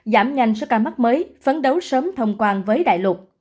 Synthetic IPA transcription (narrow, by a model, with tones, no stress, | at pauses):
zaː˧˩mɲa˧jŋ̟sɔ̰˧˥kaː˧˩ma˦˥t̚məː˨˦jfə˨˦nɗə˨˦wsəː˨˦mt̪ʰə˧wŋ͡mkwaː˧nvəː˨˦jɗa̰ː˧˨jlwə˨˩t̚